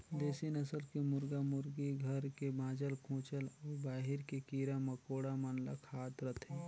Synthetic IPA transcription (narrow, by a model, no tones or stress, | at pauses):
d̪eːsinəsəlkemʊɾɡamʊɾɡiɡʱɐɾkebãːd͡ʒəlkʰũːt͡ʃəlɔːɾbaːɦɪɾkekiːɾaməkoːɽamənla̰kʰaːt̪ɾət̪ʰeː